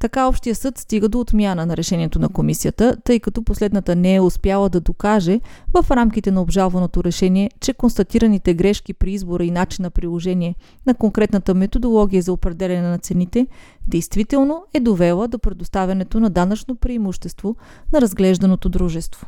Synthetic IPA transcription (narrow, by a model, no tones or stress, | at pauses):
t̪ɐkaɔpʃt̪ijəsɤt̪st̪iɡəd̪oːt̪mʲjanənɐɾɛʃɛniɛt̪onɐkomisiət̪ət̪ɤjkɐt̪ɔposlɛd̪nət̪ənɛɛʊspʲjalˠəd̪ɐd̪okaʒɛvɐfɾamkit̪ɛnɐobʒalˠvɐnot̪oɾɛʃɛniɛt͡ʃɛkonst̪ɐt̪iɾɐnit̪ɛɡɾɛʃkipɾiizboɾəinat͡ʃinːɐpɾilˠoʒɛniɛ | nɐkoŋkɾɛt̪nət̪əmɛt̪od̪olˠɔɡʲiəzɐopɾɛd̪ɛlʲɐnɛnɐt̪sɛnit̪ɛ | d̪ɛjst̪vit̪ɛlˠnoɛd̪ovɛlˠəd̪opɾɛd̪ost̪avʲjɐnɛt̪onɐd̪anɐt͡ʃnopɾiːmuʃt̪ɛst̪vo | nɐɾɐzɡlɛʒd̪ɐnot̪od̪ɾuʒɛst̪vo̥